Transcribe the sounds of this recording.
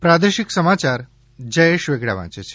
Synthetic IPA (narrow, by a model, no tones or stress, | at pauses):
pɾad̪əɾʃiksəmat͡ʃaɾ | d͡ʒəjeʃʋeɡɽa̰ʋã̰t͡ʃet͡ʃʰe̥